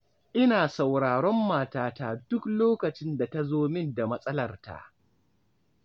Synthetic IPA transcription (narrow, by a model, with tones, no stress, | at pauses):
ʔɪ˦naː˨sa˨wɽaː˨ɽɔ˦mːaː˨taː˦taː˦˨dʊ˦kloː˦kɐ˨t͡ʃɪ˦nda˨ta˦zoː˦mɪ˦nda˨mɐ˦sʼɐ˦lɐ˨rta̰˨ʔ